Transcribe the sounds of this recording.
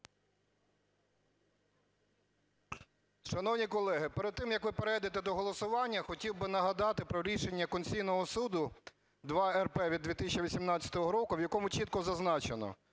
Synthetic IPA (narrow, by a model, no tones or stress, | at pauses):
ʃɐnɔwnʲikɔlˠɛɦɪpeɾed̪̚t̪ːɪmjɐkʋɪpeɾɛjd̪et̪ɛd̪ɔɦɔlˠɔsʊʋɑnʲːɐxɔtʲiwbɪnɐɦɐd̪ɑt̪ɪpɾɔɾʲiʃenʲːɐkɔnʲt͡sʲijnɔɦɔsud̪ʊ | d̪ʋɑɛrpɛʋʲid̪ʋʲit̪ɪsʲt͡ʃiʋʲisʲimnɑt͡sʲɐt̪ɔɦɔɾɔkʊʋjɐkɔmʊt͡ʃit̪̚kɔzɐznɑt͡ʃenɔ̰